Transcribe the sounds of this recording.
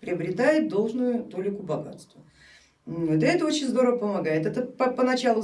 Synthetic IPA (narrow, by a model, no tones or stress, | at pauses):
pɾʲɪɐbɾʲɪt̪ajɪt̪̚d̪o̞lˠʐnʊjʊt̪o̞lʲɪkʊbɐɡa̰t̪st̪və | d̪lʲɐɛt̪əo̞t͡ɕɪnʲzd̪o̞ɾəvəpəmɐɡajɪt̪ɛt̪əpɐpənɐt͡ɕalˠʊ